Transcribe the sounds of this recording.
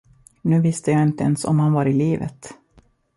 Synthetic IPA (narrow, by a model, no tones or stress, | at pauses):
nʉ̟ːvɪst̪ʰəjaːɪnt̪əɛnsɔ̰mhanvaɾɪliːvə̰t̪